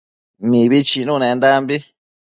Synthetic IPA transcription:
nĩβit͡ʃinũnẽnd̪ambi

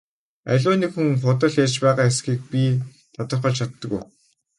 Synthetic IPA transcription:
æ̰ɮʲʊːniːkxuŋχʊt̪ə̆ɮart͡ɕpæːʁaːesxiːk̚pʲi | t̪ʰat̪ə̆rχə̆ɮt͡ɕʰat̪ːə̆ɣṵj

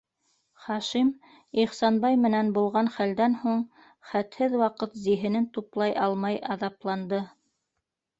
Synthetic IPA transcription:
χɑʃim | iχsɑnbɑjmɘ̆nænbulˠʁɑnχæld̪ænhuɴ | χæt̪hɘðwɑqɤt̪ziɦɘ̆nɘnt̪uplˠɑjɑlˠmɑjɑðɑplˠɑnd̪ɤ

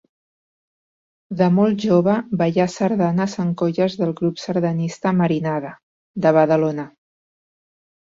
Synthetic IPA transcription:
d̪əmolˠʒoβəbajasəɾðanəzəŋkoʎəzðəlˠɣɾupsəɾðənist̪əməɾinaðə | d̪əβəðəlonə

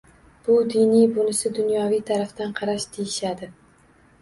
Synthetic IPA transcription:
b̥ʊd̪ɪnijbʊnɪsɪd̪ʊnjɒvijt̪ʰaɾaft̪anqʰɑɾaʃd̪ʰejɪʃad̪ɪ

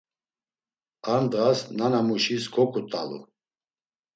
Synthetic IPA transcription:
and̪ʁasnanamuʃiskʰɔkʰʼut̪ʼalṵ

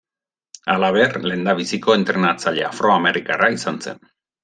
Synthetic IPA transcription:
alaβerle̞nd̪aβ̞isiko̞e̞nt̪ɾe̞nat͡saʎḛafɾo̞ame̞ɾikaraisanse̞̰n

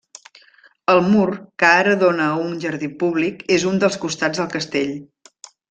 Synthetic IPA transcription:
əlˠmurkəaɾəðonəunʒəɾðipuβ̞likezund̪əlˠskust̪ad͡zðəlˠkəst̪eʎ

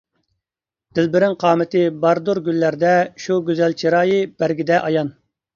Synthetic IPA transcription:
d̪̥ɪlbɪɾɪŋqʰɑːmɪt̪ʰɪbɑɾd̪uɾɡʲylːæɾd̪ɛʃuɡʲøzælt͡ʃʰiɾɑːjɨb̥æɾɡʲid̪ɛʔɑjɑn

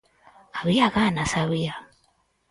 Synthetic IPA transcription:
aβijaɣanasaβija

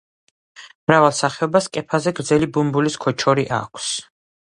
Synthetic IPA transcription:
mɾavalˠsaχɛɔbaskʼɛpʰazɛɡɾd̪zɛlibumbuliskʰɔt͡ʃʰɔɾiʔa̰kʷʰs

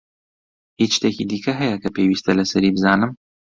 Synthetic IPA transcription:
hiʃt̪ecid̪iːkʰɐɦɛjɛkʰɐpʰewiːst̪ʰɐlɐsɐɾiːbɨzaːnɨm

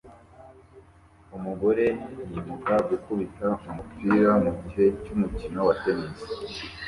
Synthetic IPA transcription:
umuɡo̞ɾe̞jiβukaɡukuβitaumupiɾamuɟiɦe̞cumucino̞watemeze

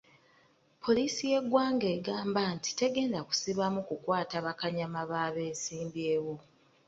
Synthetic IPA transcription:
pʰo̞liːsije̞ɡwaːŋɡe̞ːɡaːmbanti̥te̞ɡe̞ːndaku̥siβamukukwaːtaβakaɲamaβaːβe̞ːsiːmbje̞ːwo̞

